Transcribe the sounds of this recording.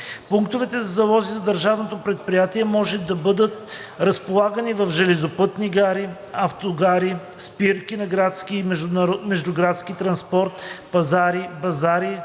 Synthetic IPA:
puŋkt̪ovɛt̪ɛzɐzɐlˠɔzizɐd̪əɾʒavnot̪opɾɛt̪̚pɾijat̪iɛmɔʒɛd̪ɐbɤd̪ət̪ | ɾɐspolˠaɡənivɐfʒɛlɛzopɤt̪niɡaɾi | ɐft̪oɡaɾi | spiɾkinɐɡɾat̪skimɛmɛʒd̪ʊɡɾat̪skit̪ɾɐnspɔɾt̪pɐzaɾibɐzaɾi

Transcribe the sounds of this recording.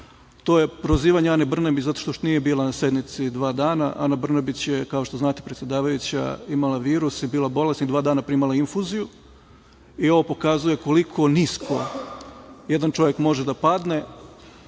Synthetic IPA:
t̪o̞ːje̞pɾoziːʋaɲeanebr̩nabit͡ɕzat̪o̥ʃt̪oʃt̪nije̞biːlˠanase̞d̪nit̪sid̪ʋaːd̪aːna̰ʔa̰nabr̩nabit͡ɕjekao̞ʃt̪oznaːt̪e̥pɾet̪sʲjed̪aːʋajut͡ɕa̰imalaʋiːɾusibiːlˠabo̞lˠesid̪ʋaːd̪aːnapɾimalˠainfuziju | io̞ʋo̞pokazuje̞ko̞likʰo̞niskʰo̞ | je̞d̪ant͡ʃo̞ʋje̞kmo̞ʒed̪apad̪ne̞

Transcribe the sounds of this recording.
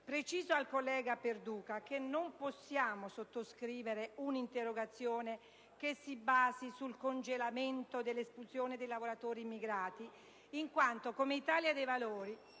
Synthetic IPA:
pɾet͡ʃiːzoalkolːɛːɡaperd̪uːkakenomposːjaːmosot̪ːoskɾiːveɾeunint̪erːoɡat̪sːjoːne | kesːibaːzisulkond͡ʒelament̪od̪elːespulsjoːned̪ejlavoɾat̪oːɾimːiɡɾaːt̪iː | ŋkwant̪okomeit̪aːljad̪ejvaloːɾi

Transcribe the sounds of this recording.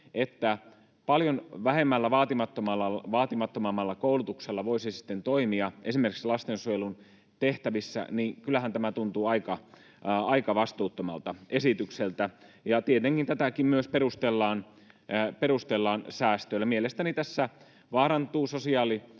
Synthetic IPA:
et̪ːæ | pɑljonʋæɦemːælːæʋɑːt̪imɑt̪ːomɑlːɑʋɑːt̪imɑt̪ːomɑmːɑlːɑkoulut̪ukselːɑʋoisisi̥t̪ːent̪oimiɑʔesimerkikslɑst̪ensujelun | t̪eht̪æʋisːæ̰niːkylːˑæhænt̪æmæt̪unt̪uːɑikɑ | ɑikɑʋɑst̪uːt̪ːomɑ̰lt̪ɑesit̪ykselt̪æjɑt̪iet̪eŋkint̪æt̪ækimmyøspeɾust̪elːɑːn | peɾust̪elːɑːnsæːst̪øilːæmielest̪ænit̪æsːæ | ʋɑːɾɑnt̪uːsosiɑːli

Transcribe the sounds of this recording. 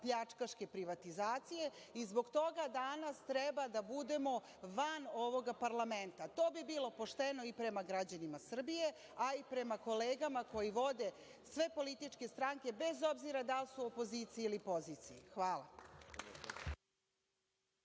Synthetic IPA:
pʎat͡ʂkaʃke̞pɾiʋat̪izaːt̪sije̞ | izbo̞ɡt̪o̞ɡad̪anast̪ɾɛbad̪abud̪e̞mo̞ | ʋano̞ʋo̞ɡapaɾlame̞nt̪at̪o̞ːbibilˠo̞po̞ʃt̪e̞no̞ipɾe̞maɡɾad͡ʑanimasr̩bije | aipɾe̞mako̞leːɡamako̞jiʋo̞d̪e̞ | sʋe̞po̞lit̪it͡ʂke̞st̪ɾaŋke̞be̞zo̞bziɾad̪alsuopo̞ziːt̪sijeilipo̞zit̪sijixʋaːla̰

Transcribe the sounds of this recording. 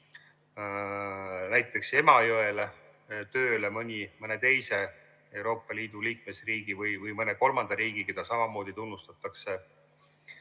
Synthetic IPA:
næjt̪ːˑe̞kse̞mɑjoele | t̪ø̞ːlemɤnʲimɤne̞t̪e̞jse̞ | e̞wɾo̞ːpːˑɑliːd̪uliːk̚mesriːɡ̥ivɯjvɯjmɤne̞ko̞lmɑnd̪̥ɑɾiːɡ̥iked̪̥ɑsɑmɑmo̞ːd̪̥it̪unːust̪ɑt̪ːˑɑkse̞

